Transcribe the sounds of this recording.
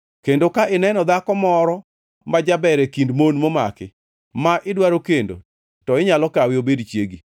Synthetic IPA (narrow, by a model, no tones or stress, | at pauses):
kendokaɪnɛnɔd̪akɔmɔɾɔ | mad͡ʒabɛɾɛkindmonmomakɪ | maʔɪdwaɾokendo̰ | tɔɪɲalɔkawɪobedt͡ʃjeɡi